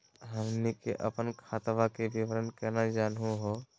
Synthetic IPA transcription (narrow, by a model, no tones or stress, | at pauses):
ɦəmnikeʔəpənkʰaːt̪ʋakebiʋəɾənkɛnad͡ʒaːnɦũɦo